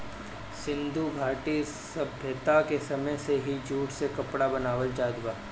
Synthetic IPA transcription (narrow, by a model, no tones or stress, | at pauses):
sɪ̃nd̪ʱuɡʱaːʈi | sɐbʱjət̪akesɐməjseɦid͡ʒʱuːʈsekɐpɽabɐnaːʋəld͡ʒaːd̪ʋaː